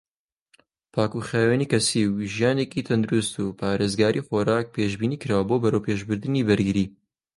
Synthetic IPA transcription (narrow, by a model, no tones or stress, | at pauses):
pʰaːkuχeːweniːkɐsiwʒijaːnekit̪ʰɐnd̪uɾust̪uːpʰaːɾeːzɡaːɾʔiχoːɾaːk̚pʰeːʒbiːniːkɨɾaːwɐboːbɐɾowpʰeːʒbɨɾd̪ɨniːbɨɾɡɨɾiː